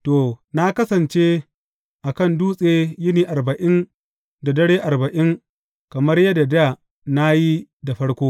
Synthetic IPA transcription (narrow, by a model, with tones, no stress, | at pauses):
toː˨na˦kɐ˦sɐ˨nt͡ʃeː˦ | ʔa˨kɐ˦˨nduː˦sʼeː˦jɪ˦niː˨ʔa˨rbɐ˨ʔɪ˦n | da˨dɐ˦ɽeː˦ʔa˨rbɐ˨ʔɪ˦ŋ | kɐ˨mɐ˦rjɐ˦da˨da˦˨ | na˦ji˦da˨ɸɐ˦ɽkʷoː˦